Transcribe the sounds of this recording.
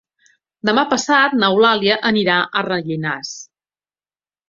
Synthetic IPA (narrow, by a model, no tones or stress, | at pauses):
d̪əmapəsat̪̚nəwlaliəʔəniɾaʔərəʎinas